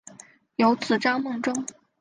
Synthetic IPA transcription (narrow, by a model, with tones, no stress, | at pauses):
jo˧˥ʊt͡sɹ̩˨˩ʈ͡ʂɑ˥ŋmɤ˥˩ŋʈ͡ʂʊ˥ŋ